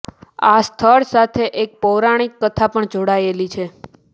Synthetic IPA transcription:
ast̪ʰəɭsat̪ʰeʔek̚pɔwɾaɽ̃ikːət̪ʰapəɳd͡ʒoɽaelit͡ʃʰe

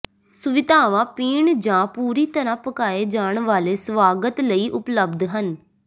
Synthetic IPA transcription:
sʊʋɪd̪ʱaːʋãːpiːɳd͡ʒãːpuːɾiːt̪əɾãːpəkaːeːd͡ʒaːɳʋaːleːsʋaːɡət̪ləiːʔʊpləbd̪ɦən

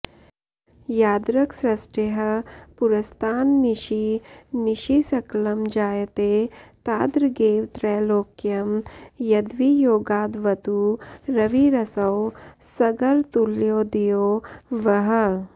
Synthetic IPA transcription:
jaːd̪ɾɐksɾɐsʈeɦɐpuɾɐst̪ʰaːnːiʃiniʃisɐklɐmd͡ʒaːjt̪eːt̪aːd̪ɾɡeːʋt̪ɾɛːloːkjɐmjɐd̪ʋijoːɡaːd̪ʋɐt̪uɾɐʋiɾɐsɐwsɐɡɐɾt̪uljoːd̪ijoːʋɐɦə

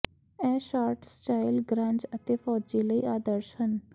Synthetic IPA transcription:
ɛ̃ːʃaːɾʈsʈaːɪlɡɾãːɲd͡ʒət̪eːfɔːd͡ʒiːləḭːaːd̪əɾʃən

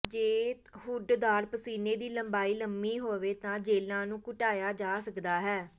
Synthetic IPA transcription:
d͡ʒeː | hʊɖd̪aːɾpəsiːneːd̪iːləmbaːiːləmiːɦoːʋeːt̪ãːd͡ʒeːlãːnũːkʊʈaːjaːd͡ʒaːsəkd̪aːɦɛː

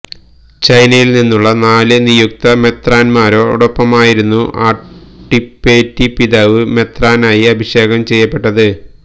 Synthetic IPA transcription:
t͡ɕɐjnɐjilninːuɭːɐnaːlɨnijuk̚t̪ɐme̞t̪raːnmaːɾo̞ːṵɽɐpːɐmaːjiɾunːuʔaːʈːipːeːtːipiðaʋɨme̞t̪raːnaːjiɐbʱiɕe̞ːɡɐmt͡ɕe̞jːɐpːe̞ʈːɐðɨ

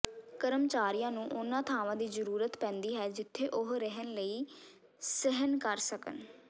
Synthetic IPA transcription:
kəɾəmt͡ʃaːɾijãːnũːʔʊnãːt̪ʰaːʋãːd̪iːzəɾuːɾət̪pɛ̃ːnd̪iːɦɛːd͡ʒɪt̪ʰːeːʔʊɦɾəɦənləiː | sɪɦənkəɾsəkə̰n

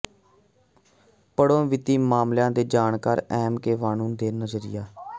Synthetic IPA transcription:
pəɽõːʋɪt̪iːmaːmljãːd̪eːd͡ʒaːɳkaːɾɛːmkeːʋaːnũːnd̪eːnəzəɾɪ̰jaː

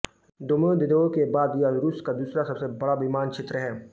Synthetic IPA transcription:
d̪ʊməd̪ɪd̪oːkebaːd̪jaɾuskad̪uːsɾasɐbsebɐɽaʋimaːnkʃʰet̪ɾəɦɛː

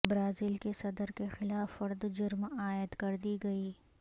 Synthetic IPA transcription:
bɾaːziːlkesɐd̪əɾkexɪlaːfːɐɾd̪d͡ʒʊɾmaːjəd̪kɐɾd̪iɡɐiː

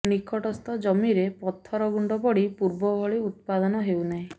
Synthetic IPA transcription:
nikʰɔʈɔst̪ɔd͡ʒɔmiɾepɔt̪ʰːɔɾɔɡuɳɖɔpɔɽipuɾbɔbʱɔɭiut̪̚pad̪ɔnɔɦewnaɦĩ

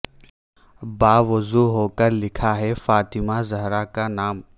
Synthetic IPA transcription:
baːʋɐzuɦoːkəɾlɪkʰaɦɛfaːt̪ɪmazɐɦɾakanaːm

